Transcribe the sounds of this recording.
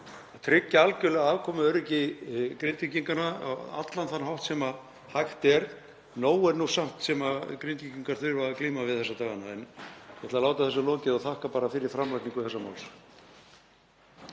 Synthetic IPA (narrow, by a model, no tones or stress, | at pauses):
at̪ʰɾɪcːaalcʏlɛɣaaːvkʰɔːmʏœɾɪcɪkɾɪnt̪iciŋkana̰a̰t̪lanθanːɦawht̪sɛma | hajxt̪ɛɾ | noːwɛɾnusam̥t̪sɛmakɾint̪iciŋkaɾ̥θʏɾvakliːmavɪðθɛsːat̪ʰaːɣanaɛ̰njɛt̪ʰɪlalaːwt̪aθɛsːʏlɔːcɪðaɣθahkapaːɾafɪɾɪɾ̥fɾamlajht̪niŋkʏθɛsːama̰wls